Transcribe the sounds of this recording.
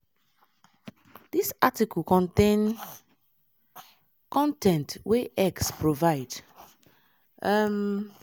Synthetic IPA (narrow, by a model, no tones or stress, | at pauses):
d̥isatikɔlkɔ̃ntẽn | kɔ̃ntʰɛ̃ntweʔɛkspɹovaɪd | m